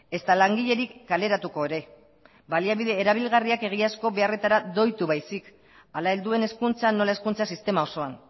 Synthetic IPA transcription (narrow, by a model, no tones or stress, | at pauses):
e̞st̪alaŋɡiʎe̞ɾikːale̞ɾat̪uko̞eɾe̞ | baliaβiðe̞ːɾaβ̞ilɣariake̞ɣ̞iasko̞βe̞are̞t̪aɾad̪o̞jt̪uβajsik | alae̞ld̪ue̞ne̞skunt͡sanːo̞lae̞skunt͡sasist̪e̞mao̞so̞an